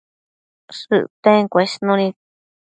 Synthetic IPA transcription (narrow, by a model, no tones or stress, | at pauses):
sɨ̰ʔt̪ẽkʷeʂnũnĩ